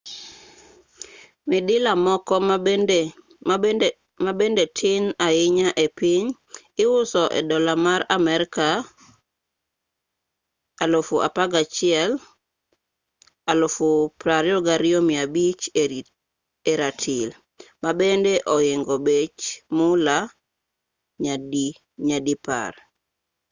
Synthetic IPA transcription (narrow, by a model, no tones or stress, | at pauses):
mɪdɪlamɔkɔ | mabendetʰɪnaɪɲaʔepiɲ | ɪwʊsɔʔɛ̰dɔlamaɾamɛɾka | alofuʔa̰paɡat͡ʃɪɛl | alofupɾaɾjɔɡaɾɪomiabit͡ʃ | eɾatʰil | mabendeʔɔɪŋɡɔbet͡ʃmʊla | ɲad | ɲadipa̰r